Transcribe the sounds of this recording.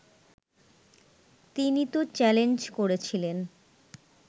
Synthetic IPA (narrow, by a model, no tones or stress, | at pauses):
t̪init̪ot͡ɕɛlend͡ʑkoɾet͡ɕʰilen